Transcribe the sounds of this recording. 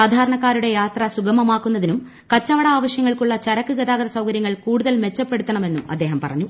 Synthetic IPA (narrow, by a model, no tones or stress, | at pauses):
aːd̪ʱaːɾɐɳɐkːaːɾuɽe̞jaːt̪rɐsuɡɐmɐmaːkːunːɐðinum | kɐt͡ɕːɐʋɐɽɐaːʋɐɕjɐŋːɐɭkuɭːɐt͡ɕɐɾɐkːɨɡɐðaːɡɐðɐsɐwkɐɾjɐŋːɐɭkuːɽuðɐlme̞t͡ɕːɐpːe̞ɽut̪ːɐɳɐme̞nːumɐ̰d̪ːe̞ːɦɐmpɐ̰rɐ̰ɲːu